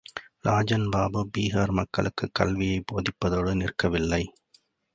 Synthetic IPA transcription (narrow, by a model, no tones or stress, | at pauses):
lʔaːd͡ʒɐnbaːbɯbiːɣaːɾmɐkːɐ̰ɭɯkːɯkːɐlʋɪjɐɪboːðɪpːɐðoːɽɯnɪrkɐʋɪlːɐɪ